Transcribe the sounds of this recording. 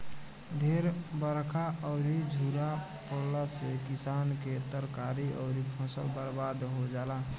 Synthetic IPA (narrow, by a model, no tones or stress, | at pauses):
bʱeɾbəɾkʰaʔəʊɾid͡ʒʱuɾa | pəɽlasekisanket̪əɾkaɾiə̰ʊɾipʰɔ̃səlbəɾbad̪ɦod͡ʒala